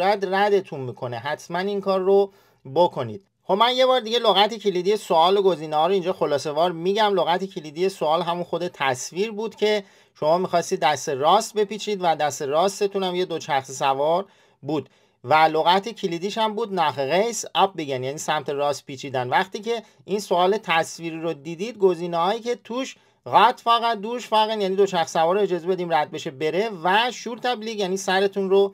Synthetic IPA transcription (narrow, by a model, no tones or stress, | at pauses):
jæd̪ræd̪e̞t̪ʰunmiːkʰo̞ne̞ɦæt̪ʰmæniŋkʰɒːrːo | bokʰo̞nḭːd̪̥̚ | xobmænje̞bɒːɾd̪iɟe̞loɣæt̪e̞cʰelid̪ije̞soɒːloɡo̞ziːnehɒːɾoind͡ʒɒːxo̞lɒːse̞vɒːɾmiːɟæmloɣæt̪ʰecʰelid̪ije̞soɒːlɦæmunxo̞d̪e̞t̪ʰæsviɾbuːd̪̥cʰe̞ | ʃo̞mɒːmiːxɒːst̪iːd̪ːæst̪e̞ɾɒːst̪̚be̞piːt͡ʃʰiːd̪væd̪æst̪e̞ɾɒːst̪e̞t̪ʰunæmje̞d̪ot͡ʃʰæxsisævɒːɾ | buːd̪ | væloɣæt̪ʰe̞cʰilid̪iːʃæmbuːd̪nɒːɦeɣejsɒp̚be̞ɟænjæniːsæmt̪ʰe̞ɾɒːst̪̚pʰiːt͡ʃʰiːd̪ænd̪væχt̪iːcʰe̞ | insoɒːle̞t̪ʰæsviːɾiɾod̪iːd̪iːd̪̚ɡoziːneɦɒːjiːcʰe̞t̪ʰuːʃ | ɣæt̪ʰfɒːɣæd̪uːʃfɒːɣænjæːnid̪o̞t͡ʃæxssævɒːɾoed͡ʒɒːze̞be̞d̪iːmræd̪̚be̞ʃebe̞ɾe̞væʃuːɾt̪ʰæbliːɣjæːniːsæɾe̞t̪ʰunro